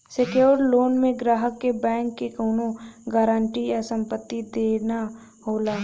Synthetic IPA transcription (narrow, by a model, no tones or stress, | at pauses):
sekjoːɾloːnmẽɡɾaːɦəkːebɛ̃ːŋkːekoːnoɡaːɾaːɳʈijasə̃mpət̪ːid̪eːna | ɦoːlaː